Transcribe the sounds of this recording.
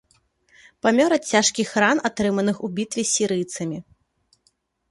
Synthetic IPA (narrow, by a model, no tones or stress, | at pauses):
pamʲɔɾɐt͡sʲaʂkʲixɾanat̪ɾɨmɐnɨxubʲit̪vʲɛsʲiɾɨjt̪sɐmʲi